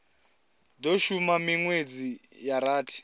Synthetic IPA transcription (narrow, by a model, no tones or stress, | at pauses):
doʃumamiŋwed͡zijaɾaːtʰi̥